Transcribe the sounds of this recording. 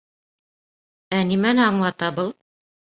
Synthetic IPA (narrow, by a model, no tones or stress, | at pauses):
ænimænɘɑɴlˠɑt̪ɑbɤlˠ